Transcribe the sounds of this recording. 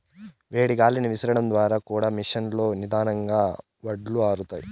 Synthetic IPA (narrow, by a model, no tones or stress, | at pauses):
ʋeːɽiɡaːliniʋisɐɾɐɽɐnd̪ʋaːɾaːkuːɽaːmiʂɐnlo̞ːnid̪aːnɐŋɡaː | ʋɐɖluaːɾut̪aːji